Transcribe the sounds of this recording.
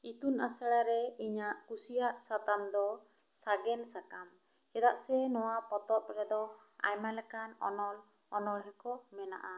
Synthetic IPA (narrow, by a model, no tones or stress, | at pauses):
it̪una̰saɽaɾɛiɲaʔkusijaʔsat̪amd̪ɔ | saɡɛnsakam | kɛd̪aʔsɛnɔwapɔt̪ɔp̪̚ɾɛd̪ɔ | a̰jmalɛkanɔ̰nɔl | ɔnɔlɦɛkɔmɛna̰ʔa